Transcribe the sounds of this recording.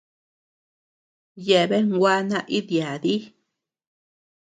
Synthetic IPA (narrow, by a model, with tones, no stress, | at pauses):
je˨be˦ŋɡwʷa˧˦na˧ʔi˦d̪ja˨d̪i˦